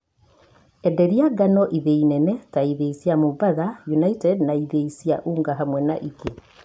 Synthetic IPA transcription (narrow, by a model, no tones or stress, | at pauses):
ɛdɛɾiaɡanɔʔiðeinɛnɛtaiðeisiamubaðajunaitɛdnaiðeisiaʔuːŋɡaɦamwɛna̰ʔike